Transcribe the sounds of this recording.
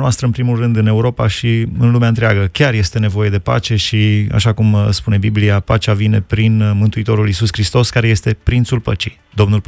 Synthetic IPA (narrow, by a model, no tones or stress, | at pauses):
noast̪ɾəɨpɾimulrɨnd̪ɨne̞uɾo̞paʃiɨnlumeant̪ɾeaɡəkʲarje̞st̪e̞ne̞vo̞je̞d̪e̞pa̰t͡ʃe̞ʃia̰ʃakumspune̞bibliapat͡ʃavine̞pɾinmɨnt̪uit̪o̞ɾulisuskɾist̪o̞skaɾe̞je̞st̪e̞pɾint̪sulpət͡ʃi̥j | d̪o̞mnul